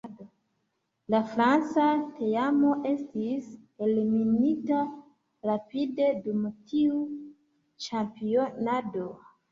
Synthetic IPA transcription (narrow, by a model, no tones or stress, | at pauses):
do | lafɾant͡sateamo̞ʔe̞stise̞lminita | ɾapide̞dumtiu | t͡ʃampio̞nado̞